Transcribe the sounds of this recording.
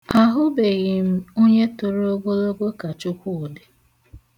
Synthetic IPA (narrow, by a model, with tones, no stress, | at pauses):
a˨ɦʊ˦be˨ɣɪ˨m̩˦o˦ɲe˦tʊ˨ɾo˦ɡo˦lo˦ɡo˦ka˨t͡ʃʊ˦kʷʊ˦˨dɪ˨